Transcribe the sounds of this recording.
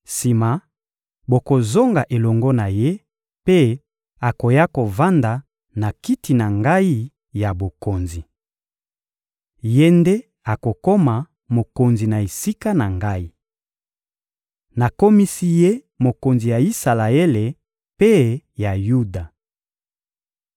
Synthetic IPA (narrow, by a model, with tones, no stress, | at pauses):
si˨ma˨ | bo˨ko˨zo˦ŋɡa˨ʔe˨lɔ˨ŋɡɔ˦na˨je˦ | pe˦ | a˨ko˨ja˦ko˨va˦nda˨ | na˨ki˦ti˨na˨ŋɡa˦i˦ | ja˨bo˨ko˨nzi˨ | je˦nde˦ | a˨ko˨ko˦ma˨ | mo˨ko˨nzi˨na˨e˨si˦ka˦na˨ŋɡa˦i˦ | na˨ko˦mi˦si˦je˦ | mo˨ko˨nzi˨ja˨i˦sa˨la˨e˦le˨ | pe˦ja˨ju˦da˨